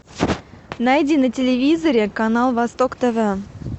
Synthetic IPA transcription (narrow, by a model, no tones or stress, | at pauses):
najdʲinətʲɪlʲɪvʲizəɾʲɪkanalˠvɐst̪okt̪əvə